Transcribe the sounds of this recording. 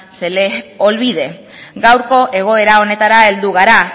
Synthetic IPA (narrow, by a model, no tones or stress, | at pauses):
seleo̞lβiðe̞ | ɡawɾko̞ʔe̞ɣ̞o̞e̞ɾao̞ne̞t̪aɾae̞ld̪uɣ̞aɾa